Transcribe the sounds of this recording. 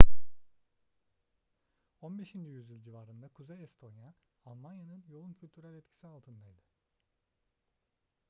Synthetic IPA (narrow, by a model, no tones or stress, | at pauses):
o̞nbeʃind͡ʒyjyzilʲd͡ʒivaːɾɯnd̪akʰuzejɛst̪ʰo̞nja | alˠmanjanɯnjo̞lˠuncʰylʲt̪ʰyɾælʲɛt̪cʰi̥sialˠt̪ʰɯnd̪ajd̪ɯ